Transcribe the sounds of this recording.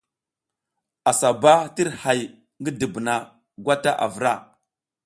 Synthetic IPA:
a˨sa˨ba˦ti˦ɾha˨j | ŋɡə˦di˨bna˨ | ɡwa˦ta˦ʔa̰˨və˨ɾa˦˨

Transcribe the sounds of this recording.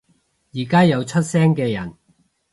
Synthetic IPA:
jiː˨˩kaː˥jɐ˨˧wt͡ʃʰɵ˥t̚sɛː˥ŋkɛː˧jɐ˨˩n

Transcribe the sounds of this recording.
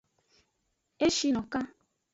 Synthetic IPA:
e˦ʃi˧nɔ̃˨kã˦

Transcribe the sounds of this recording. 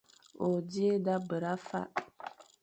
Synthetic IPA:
o˨di˦e˦da˦bə˨ɾa˦fa̰˦ʔ

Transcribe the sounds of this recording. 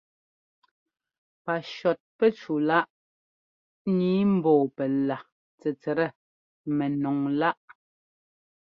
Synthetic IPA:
pa˨ʃɔ˨t̚pɛ˦t͡ʃu˨la˦ʔ | niː˨˦m̩˦bɔː˨pɛ˨la˨ | t͡sɛ˨t͡sɛ˨ɾɛ˦˨ | mɛ˨nɔ˨ŋla˦ʔ

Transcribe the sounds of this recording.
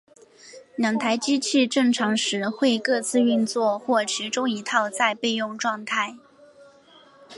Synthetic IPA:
ljɑ˨˩ŋt̪ʰa˧˥ɪt͡ɕi˥t͡ɕʰi˥˧ʈ͡ʂɤ˥˩ŋʈ͡ʂʰɑ˧˥ŋʂɻ̩˧˥xwe˥˧ɪkɤ˥˧t͡sʰɹ̩˥˧y˥˧nt͡swɔ˥˧xwɔ˥˩t͡ɕʰi˧˥ʈ͡ʂʊ˥ŋi˧˥t̪ʰɑ˥˧ʊt͡sa˥˧ɪpe˥˧ɪjʊ˥˧ŋʈ͡ʂwɑ˥˧ŋt̪ʰa˥˩ɪ

